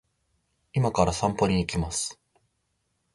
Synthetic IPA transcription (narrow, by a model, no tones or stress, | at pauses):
imakaɾasãmpo̞ɲ̟iːkʲimasɨ̥